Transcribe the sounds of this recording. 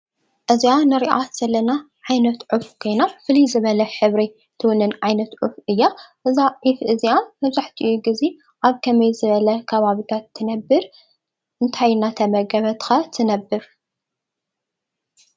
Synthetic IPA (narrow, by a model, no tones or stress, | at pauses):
ʔɨzianɨɾiʔaz̥ɐlːɐna | ʕajnɐt̪ʕufkʰo̞jnafɨlizɨβɐlɐħɨβɾi | t̪ʰɨwʊnːɨnʕajnɐt̪ʕufʔɨjːaʔɨzaʕifʔɨziamɐβzaħt̪ʰiʔjuɡɨzi | ʔaβkʰɐmɐjzɨβɐlɐkʰɐβaβit̪ʰat̪ʰːɨnɐbːɨɾ | ʔɨnt̪ʰajnat̪ʰɐmɐɡɐβɐt̪kat̪ʰɨnɐbːɨɾ